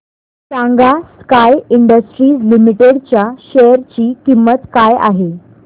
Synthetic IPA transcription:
sãŋɡaskajiɳɖəsʈɾiːslimiʈeɽt͡ɕjaɕɛjəɾt͡ɕiːkimːət̪kaja̰ɦe

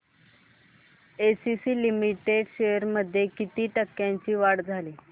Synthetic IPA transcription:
esisiːlimiʈeɖɕejəɾməd̪ʱːjekit̪iːʈəkːjãɲt͡ɕiːʋaɽd͡zʱaliː

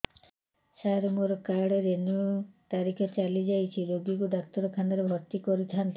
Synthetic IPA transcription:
saɾmuɾkaɽeɾenut̪aɾikʰet͡ʃalid͡ʒajt͡ʃʰiɾoɡikud̪akt̪ɔɾɔkʰanaɾebʱɔɾt̪ikɔɾit̪ʰant̪

